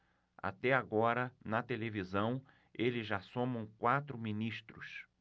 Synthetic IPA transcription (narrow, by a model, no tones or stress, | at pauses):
a̰t̪ɛaɡɔɾɐnɐt̪elevizɐ̃w̃ | elɪzʒasõmɐ̃w̃kwat̪ɾʊminiʃt̪ɾʊs